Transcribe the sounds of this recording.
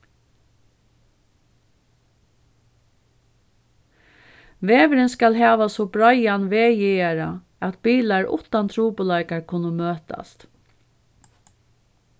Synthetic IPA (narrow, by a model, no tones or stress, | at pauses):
ʋeːʋɪɾɪnskalɦæːʋasɔbɾajanʋeːjɛaɾa | ɛt̪̚biːlaɹʔʊ̰ht̪ant̪ʰɾuːpʊlajkaɹkʰʊnʊmøːt̪a̰st̪